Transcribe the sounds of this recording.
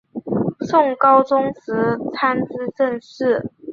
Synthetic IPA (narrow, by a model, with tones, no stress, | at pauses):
ʂʊ˥˩ŋkɑ˥ʊʈ͡ʂʊ˥ŋsɹ̩˧˥t͡sʰa˥nt͡sɹ̩˥ʈ͡ʂə˥˧nʂɻ̩˥˩